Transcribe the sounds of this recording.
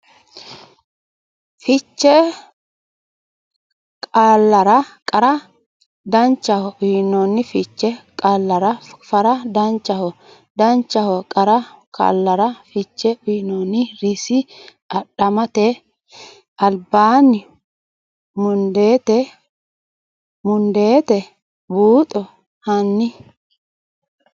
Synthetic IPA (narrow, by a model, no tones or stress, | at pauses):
fɪt͡ʃːɛ | kʼaːlːɐɾɐkʼɐɾɐ | d̪ɐnt͡ʃːɐhɔʊjnɔnːɪfɪt͡ʃːɛkʼalːɐɾɐfɐɾɐd̪ɐnt͡ʃːɐhɔ | d̪ɐnt͡ʃːɐhɔkʼɐɾɐkʰʼɐ̰lːɐɾɐfɪt͡ʃːɛʊnɔnːɪɾɪsɪ | ɐɗɐmɐt̪ɛ | ɐlbaːnːɪ | mʊnd̪e̞ːt̪ɛ | mʊnd̪e̞ːt̪ɛ | buːt̪ʼɔ | hɐnːɪ